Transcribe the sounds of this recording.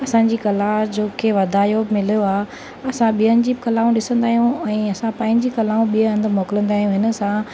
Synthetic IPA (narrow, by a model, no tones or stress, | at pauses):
ɐsãːɲ̆d͡ʑiːkɐlad͡ʑoːkʰeʋɐd̪ʱaːjobmɪlijoaːɦe | ɐsãɓijənɪ̆d͡ʑibɪkɐlaːũɗɪsə̃nd̪aːɦijũɛ̃ːɐsãpɐ̃ːɪ̃ɲd͡ʑiːkɐlaːũɓiəɐ̃nd̪əmoːkɪlə̃nd̪aːɦijũɦɪnə̆sã